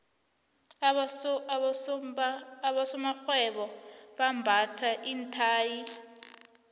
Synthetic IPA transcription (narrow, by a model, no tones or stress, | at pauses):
ɓasɔmaxwɛɓɔɓambʱatʰaʔiːntʰaːji